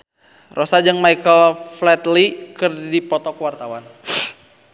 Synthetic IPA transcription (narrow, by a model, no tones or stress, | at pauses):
rʔɔsad͡ʒɨŋmaikəlflɛt̪likɨrdipɔt̪ɔkəwart̪awan